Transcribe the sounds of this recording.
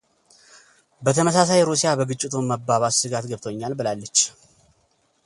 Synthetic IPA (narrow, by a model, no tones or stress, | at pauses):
bət̪ʰəməs̬as̬ajɾusijabəɡɨt͡ʃʼːɪt̪ʰumːəbːaβassɨɡat̪ɡəβt̪ʰoɲːalbɨlalːət͡ʃː